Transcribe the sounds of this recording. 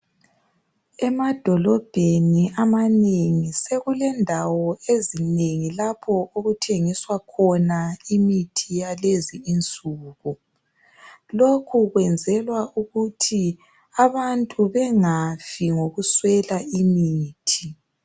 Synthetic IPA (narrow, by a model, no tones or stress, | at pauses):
ɛmad̥ʱɔlɔb̥ʱeniamaneŋiseɣulɛndʱawɔezineŋilapʰɔoɣutʰeŋiswakʰɔnaimitʰijaleziːnt͡sʼuːɣu | lokʰuɣwɛnd͡zʱɛlwauɣutʰi | aβantʼuβɛŋafiŋoɣuswɛlaimiːtʰi